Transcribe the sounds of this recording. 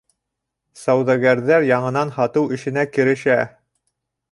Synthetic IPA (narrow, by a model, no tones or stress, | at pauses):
sɑwðɑɡæɾðæɾjɑɴɤ̆nɑnhɑt̪ɤwɘ̆ʃɘ̆nækɘ̆ɾɘ̆ʃæ